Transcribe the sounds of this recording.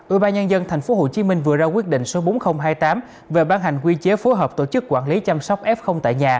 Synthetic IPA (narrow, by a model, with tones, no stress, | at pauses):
ʔwi˧ɓaː˧nɲə˧nzə˧nt̪ʰa˨˩jŋ̟fo˨˦ɦo̰˧˩t͡ɕi˨˦mï˧ŋ̟vɨ˨˩əzaː˧kwi˦˥ət̚ɗḭ˧˨ŋ̟so˨˦ɓo˨˦nxə˧wŋ͡mɦaː˧jt̪aː˨˦m | ve˨˩ɓaː˧nɦa˨˩jŋ̟kwi˧t͡ɕe˨˦fo˨˦jɦəː˨˩p̚t̪o˧˩t͡ɕɨ˦˥kːwaː˧˩nli˨˦t͡ɕa˧msa˦˥wk͡p̚ʔɛ˦˥p̚xə˧wŋ͡mt̪a̰ː˧˨jɲaː˨˩